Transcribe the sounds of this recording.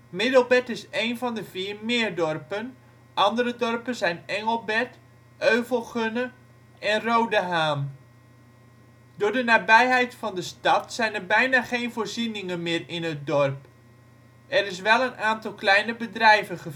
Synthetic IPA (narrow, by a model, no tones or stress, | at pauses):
mɪdəlˠbɛtɪsejnvɑndəviːrmɪːərdɔrpən | ʔɑndərədɔrpənzɛjnɛŋəlˠbɛt | ʔøɥvəlˠχønə | ʔɛnrowdəɦaːm | dʊːɹdənaːbɛjɦɛjtfɑndəstɑtsɛjnərbɛjnaːχejnvʊːɹzinɪŋənmɪːrɪnət̚dɔrp | ɛɾɪs̬ʋɛlˠənaːntɑlˠklɛjnəbədrɛjvəχə